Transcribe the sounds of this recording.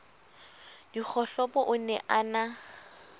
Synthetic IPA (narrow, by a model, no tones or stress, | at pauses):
d̥ik͡xʰɔɬɔpɔʔʊnɛʔana